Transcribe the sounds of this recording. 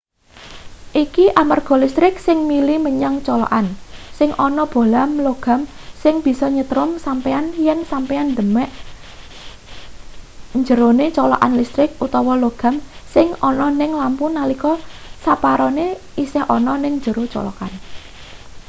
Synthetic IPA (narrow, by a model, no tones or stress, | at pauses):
ʔikiʔamarɡ̥ɔ̤list̪ɾɪk̚sɪŋmiliməɲaŋt͡ʃɔlɔ̰ʔansɪŋʔɔnɔb̥o̤lamloɡ̥a̤msɪŋb̥i̤sɔɲət̪ɾʊmsampeanjɛnsampɛand̪ə̤mɛʔ | ɲd͡ʒəɾonet͡ʃɔlɔ̰ʔa̰nlist̪ɾɪk̚ut̪ɔwɔloɡ̥a̤msɪŋɔnɔnɪŋlampunalikɔsapaɾɔne | isɪhʔɔnɔnɪŋɲd͡ʒəɾot͡ʃɔ̰lɔ̰kan